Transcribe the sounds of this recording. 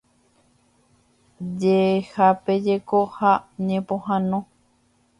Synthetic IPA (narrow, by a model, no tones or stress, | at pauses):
d͡ʒehape̞d͡ʒekohaɲẽpõhãnõ